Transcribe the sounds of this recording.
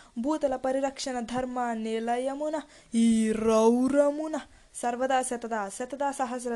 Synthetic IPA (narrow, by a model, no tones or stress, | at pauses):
bʱuːt̪ɐlɐpɐɾiɾɐkʂɐnɐd̪ʱɐɾmaːnelɐjɐmunɐ | iɾɐwɾɐmunɐ | sɐɾʋɐd̪aːsjɐt̪ɐd̪aːsjɐt̪ɐd̪aːsɐɦɐs̬ɾɐ